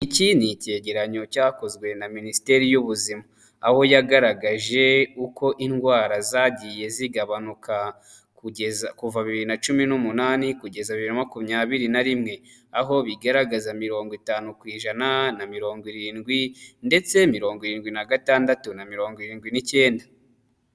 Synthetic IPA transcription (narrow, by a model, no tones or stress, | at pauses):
icinice̞ːɟe̞ɾaɲo̞caːko̞zɡwe̞naminisi̥te̞ɾijuβuzimaː | ho̞jaɡaɾaɡaʒe̞uko̞ʔinɡwaːɾazaːɟije̞ziɡaβanuka | kuezakuvaβiβiɾinat͡ʃuminumunaːnikuɟe̞zaβiβiɾinamakumɲaːβiɾinaɾimŋe̞ | aɦo̞βiɡaɾaɡazamiɾo̞ːŋɡwitaːnukwiːʒananamiɾo̞ːŋɡwiɾiːnɡwinde̞t͡se̞miɾo̞ːŋɡiɾiːnɡwinaɡataːndatunamiɾo̞ːŋɡwiɾiːnɡwinice̞ːnda